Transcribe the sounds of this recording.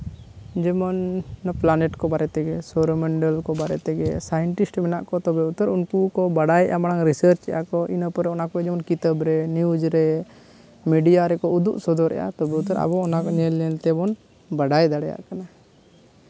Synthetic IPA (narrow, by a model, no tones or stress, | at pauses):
d͡ʒɛmɔnplanɛʈkɔbaɾɛt̪ɛɡɛsɔɾɔmɛɳɖəlkɔbaɾɛ̰t̪ɛɡɛsajəɳʈisʈmɛnaʔkɔt̪ɔbɛut̪əɾunkukɔbaɽajɛ̰ʔamaɽaŋɾisəɾt͡ʃɛjʔakɔʔinəpɔɾɛɔnakɔɛd͡ʒɛmɔnkit̪əbɾɛniud͡ʒɾɛ | miɖijaɾɛkɔud̪uʔsɔd̪ɔɾɛ̰ʔa̰t̪ɔbɛut̪əɾa̰bɔɔnakɔɲɛlɲɛlt̪ɛbɔn | baɽajd̪aɽɛja̰ʔkana